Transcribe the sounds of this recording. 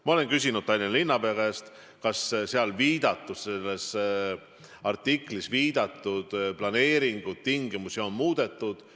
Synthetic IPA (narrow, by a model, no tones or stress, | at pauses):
mɑo̞le̞nkys̬ʲinud̪̥̚t̪ɑjlʲːinlinːɑpekest̪ | kɑsseɑlviːd̪ɑt̪ːˑusse̞lːes | ɑrt̪ːikˑlisviːd̪̥ɑt̪ˑːud̪̥plɑne̞ːɾiŋɡ̥ut̪t̪iŋɡimusio̞nmuːd̪̥e̞t̪ːud̪̥